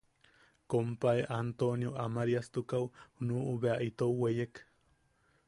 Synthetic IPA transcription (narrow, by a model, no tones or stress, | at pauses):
kompaeʔant̪onjoʔamaɾiast̪ukawhunuːʔuβeaʔit̪owwejek